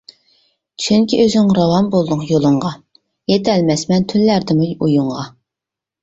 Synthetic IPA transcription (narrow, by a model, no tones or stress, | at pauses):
t͡ʃʰyŋkʲiʔøzɪŋɾɑwɑmbolˠd̪ʊqjolˠʊɴʁɑ | jet̪ʰɛlmɛsmɛnt̪ʰynlæɾd̪ɪmuujuɴʁɑ